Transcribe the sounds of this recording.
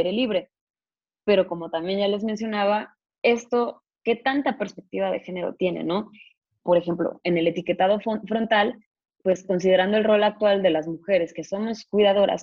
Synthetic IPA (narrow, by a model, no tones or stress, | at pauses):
eɾeliβɾe̞ | pe̞ɾo̞ko̞mo̞t̪ambje̞nʝale̞zmens̬jo̞naβa | e̞st̪o̞ | ke̞t̪ant̪ape̞ɾspe̞k̚t̪iβaðe̞̰xe̞ne̞ɾo̰t̪je̞nḛno̞ | po̞ɾe̞xe̞mplo̰e̞ne̞le̞t̪ike̞t̪að̞o̞ffɾo̞nt̪al | pwe̞sko̞ns̬ið̞e̞ɾand̪oe̞lro̞lak̚t̪wald̪e̞lazmuxe̞ɾe̞ske̞so̞mo̞skwiðað̞o̞ɾa̰s